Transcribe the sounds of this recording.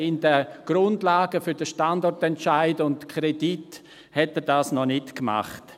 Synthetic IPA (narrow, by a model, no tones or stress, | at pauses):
ɪndəɡ̥rʊndlaːɡəfʏɾdəʃtandɔɹtɛntt͡ʃaɪdʊntkʰɾɛdit | hɛtɛdaːsnɔnɪtkma̰χt